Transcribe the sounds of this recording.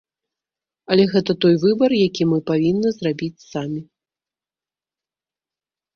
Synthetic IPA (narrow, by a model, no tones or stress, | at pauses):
ɐlʲɛɣɛt̪ɐt̪ɔjvɨbɐrjakʲimɨpavʲinːɐzrabʲit͡sʲsamʲi